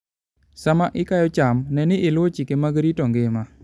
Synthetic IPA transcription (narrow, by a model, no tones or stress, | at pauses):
samaʔɪkajɔt͡ʃamnɛnɪʔɪlwot͡ʃikemaɡɾitɔŋɡɪma